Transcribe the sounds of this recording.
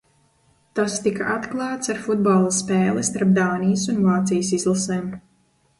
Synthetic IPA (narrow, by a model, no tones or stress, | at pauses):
t̪ast̪ikaʔat̪klˠɑːt̪saɾfud̪̚balˠaspɛːlˠist̪aɾp̚d̪aːnijsunvaːt̪sijsizlˠaseːm